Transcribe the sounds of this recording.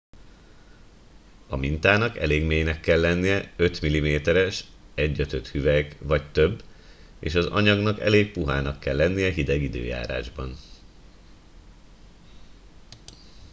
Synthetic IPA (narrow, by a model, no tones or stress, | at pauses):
ɒmint̪aːnɒkɛ̰leːɡmeːjnɛkːɛlːɛnːijɛøt̪milimeːt̪ɛɾɛʃ | ɛɟːøt̪øt̪hyvɛkʋɒct̪ø̞bː | ḛːʃɒzɒ̰ɲɒɡnɒkɛ̰leːk̚puɦaːnɒkːɛlːɛnːijɛɦid̪ɛɡid̪ø̰ːja̰ːɾa̰ːʒbɒn